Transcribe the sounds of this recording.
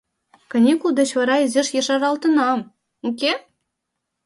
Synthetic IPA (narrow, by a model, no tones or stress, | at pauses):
kɤ̆nʲekuld̪ɤ̆t͡ɕvɑɾɑezʲeʃjĕʂɑrɑlˠt̪ɤ̆nɑm | okʲe